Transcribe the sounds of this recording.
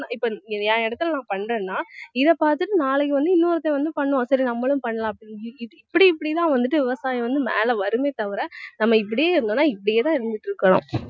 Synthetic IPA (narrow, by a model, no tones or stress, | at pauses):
aɪpːoɛːɛɽɐt̪ːɯlɐnãːpɐɳːrẽːnːaːɪðɛpaːɾt̪ɯʈːɯnaːlɛkːɯʋɐnd̪ɯɪnːoːɾɐt̪ːɐʋɐnd̪ɯpɐɳːɯʋõsɐɾinɐmːɐɭɯ̃mpɐɳːɐlãːɐpːɽiɪpːɐɽiɪpːɐɽit̪ãːʋɐnd̪ɯʈːɯʋɪʋɐsaːjɐʋɐnd̪ɯmḛːlɐʋɐɾɯmeːt̪ɐʋɪɾɛnɐmːɐɪp̬ːɐɽɪjeːɪɾɯnd̪oːnːaːɪpːɐɽɪjeːt̪ãːɪɾɯnd̪ɪʈːɾɯkːɐɽõ̰ː